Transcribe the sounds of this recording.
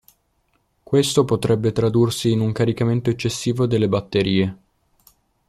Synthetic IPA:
kwest̪opot̪ɾɛbːet̪ɾad̪ursiːnuŋkaɾikament̪oet͡ʃːesːiːvod̪elːebat̪ːeɾiːe

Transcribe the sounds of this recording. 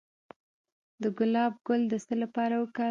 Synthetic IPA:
d̪əɡʊlɑb̚ɡʊld̪əsəlapɑɾawəkə

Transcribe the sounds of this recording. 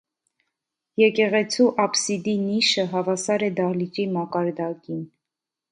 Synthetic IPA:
jɛkɛʁɛt͡sʰuʔɑpsid̪iniʃəɦɑvɑsɑɾɛd̪ɑliɾimɑkɑɾd̪ɑkin

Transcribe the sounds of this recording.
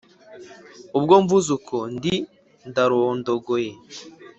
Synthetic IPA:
ub̚ɡoɱvuzukʰondi | ndaɾondoɡoje

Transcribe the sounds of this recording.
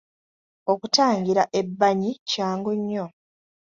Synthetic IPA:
o̞kutaːŋɡiɾaʔe̞bːaɲicaːŋɡuɲːo

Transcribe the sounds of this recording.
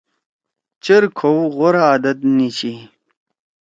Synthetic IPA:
t͡ɕeɾkʰowʁoɾaːd̪ɐt̪nit͡ɕi

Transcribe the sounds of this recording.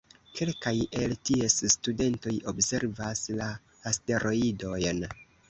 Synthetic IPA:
kʰe̞lkaje̞ltie̞sstude̞nto̞jo̞bse̞ɾvaslaː | ste̞ɾʔo̞ido̞jn

